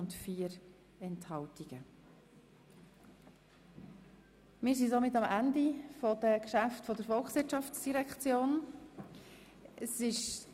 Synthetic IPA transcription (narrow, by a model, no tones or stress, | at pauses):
ʊntfiːəɾ | ɛnthɑltiɡ̥ə | mɪːɾsisomɪtɑmændifɔd̥əkʃæftfɔdəɾfɔlksʋɪɾtʃɑft͡sd̥iɾɛkχt͡sjoːn | əsɪʃ